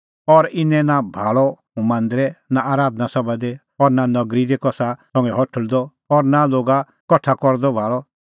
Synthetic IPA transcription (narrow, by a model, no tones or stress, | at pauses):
ɔɾɪnɛ̃nabʱaːɭɔ | umãːnd̪ɾɛnaʔaːɾaːd̪nasɔbad̪e | ɔɾnanɔɡɾid̪ekɔsasɔ̃ŋɡɛɦɔʈʰəɭd̪ɔ | ɔɾnaloːɡa | kɔʈʰːakɔɾd̪ɔbʱaːɭɔ